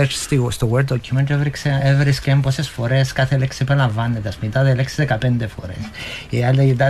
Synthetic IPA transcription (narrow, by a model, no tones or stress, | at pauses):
esst̪ist̪oweɾd̪d̪ocʰːument̪evɾikseevɾiskembosesfoɾeskɐθeleksipelɐɱvɐnːed̪ɐsmit̪aðeleksiðekɐpend̪efo̰ɾḛsealeit̪a